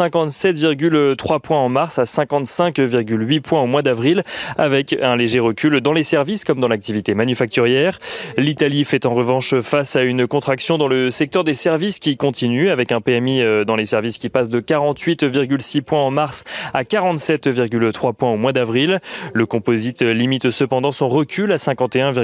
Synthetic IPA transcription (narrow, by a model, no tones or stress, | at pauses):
sɛ̃kɑ̃t̪sɛt̪viʁɡʲylt̪χwapwɛ̃ɑ̃maʁsasɛ̃kɑ̃t̪sɛ̃kviʁɡʲylɥipwɛ̃omwad̪avʁilavɛkɛ̃leʒeʁəkʲyld̪ɑ̃lesɛʁviskɔmd̪ɑ̃lak̚t̪ivit̪emanyfak̚t̪yʁjɛːʁlit̪alifɛt̪ɑ̃ʁəvɑ̃ʃfasaynkɔ̃t̪χaksjɔ̃d̪ɑ̃ləsɛk̚t̪œʁd̪esɛʁviskʲikɔ̃t̪inyavɛkɛ̃peɛmid̪ɑ̃lesɛʁviskʲipasd̪əkaʁɑ̃t̪ɥit̪viʁɡʲylsipwɛ̃ɑ̃maʁsakaʁɑ̃t̪sɛt̪viʁɡʲylt̪χwapwɛ̃omwad̪avʁilləkɔ̃pozit̪limit̪səpɑ̃d̪ɑ̃sɔ̃ʁəkʲylasɛ̃kɑ̃t̪eɛ̃v